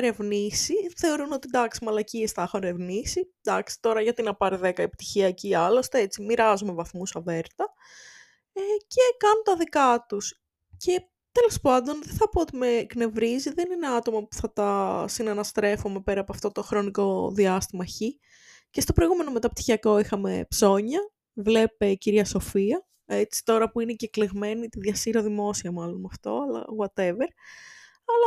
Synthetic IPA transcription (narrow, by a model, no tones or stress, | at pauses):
ɾe̞vnisiθe̞o̞ɾuno̞t̪id̪ɐksi̥mɐlɐciest̪ɐxoɾe̞vnisi | d̪ɐksi̥t̪o̞ɾɐʝɐt̪inɐpɐɾiðe̞kɐipt̪içiɐciɐlo̞st̪eet͡simiɾɐzume̞vɐθmusɐve̞ɾt̪ɐ | ece̞kɐnut̪ɐðikɐt̪us | ce̞ | t̪e̞lo̞spɐnd̪o̞nðeθɐpoot̪ime̞kne̞vɾiziðe̞nine̞ɐt̪o̞mɐpu̥θɐt̪ɐsinɐnɐst̪ɾe̞fome̞pe̞ɾɐpoɐft̪o̞t̪o̞xɾo̞niko̞ðiɐst̪imɐeçi | cest̪o̞pɾo̞ijɣume̞no̞me̞t̪ɐp̚t̪i̥çiɐko̞ixɐme̞̰pso̞ɲɐ | vle̞pe̞ciɾʝɐso̞fiɐ | e̞t͡si̥t̪o̞ɾɐpuine̞cekleɣme̞nit̪iðʝɐsiɾoðimo̞siɐmɐlo̞nɐft̪o̞̰ɐlɐ̰ɣwɐt̪e̞veɾ | ɐlɐ